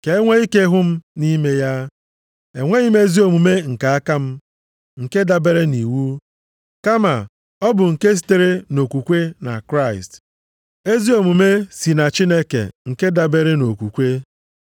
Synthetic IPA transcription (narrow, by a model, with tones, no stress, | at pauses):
ke˨e˦ŋʷe˦i˦ke˦ɦʊ˦m̩˦ni˦me˦ja˦ | e˨ŋʷe˦i˦me˦zi˦o˨mu˨me˦ŋ̩˨ka˨a˦ka˦m̩˦ | ŋ̩˨ke˦da˨be˦ɾe˦ni˨wu˦ | ka˦ma̰˨ | ɔ˦bʊ˨ŋ̩˨ke˦s̬i̥˨te˦ɾe˦no˨kʷu˨kʷe˦na̰˨kɾa˦˨ɪ˨st | e˦zi˦o˨mu˨me˦si˨na˨t͡ʃi˦ne˦kḛ˨ŋ̩˨ke˦da˨be˨ɾe˦no˨kʷu˨kʷe˦